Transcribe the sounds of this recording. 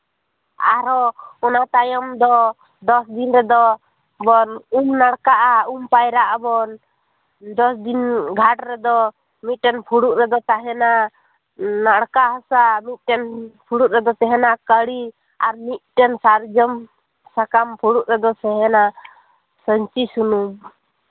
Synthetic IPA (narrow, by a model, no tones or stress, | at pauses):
aɾɔɔnat̪ajɔmd̪ɔ | d̪ɔsd̪inɾɛd̪ɔ | bɔnumnaɽkaʔaumpajɾaʔabɔn | d̪ɔsd̪inɡʱaʈɾɛd̪ɔ | mit̪̚ˀʈɛnpʰuɽuʔɾɛd̪ɔt̪aɦɛna | naɽkaɦɔsamit̪̚ʈɛnpʰuɽuʔ̚ɾɛd̪ɔt̪ɛɦɛnakəɽi | aɾmit̪̚ʈɛnsaɾd͡ʒəm | sakampʰuɽuʔɾɛd̪ɔsɛɦɛna | səɲt͡ʃisunum